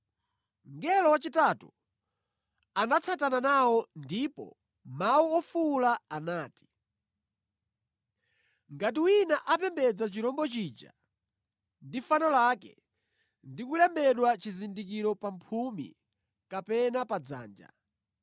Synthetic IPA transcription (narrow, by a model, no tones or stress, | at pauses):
ŋɡɛlɔwat͡ʃitatu | anat͡sʰatananawɔndipɔ̰ | mawuɔfulaanaːti̥ | ŋɡat̬iwinaʔapɛmbɛd͡zat͡ʃiɾɔmbɔt͡ʃid͡ʒa̰ | ndifanɔlakɛ̰ | ndikulɛmbɛɗwat͡ʃizindik̬iɾɔpampʰumḭ | kapɛnapad͡za̰ːnd͡ʒa̰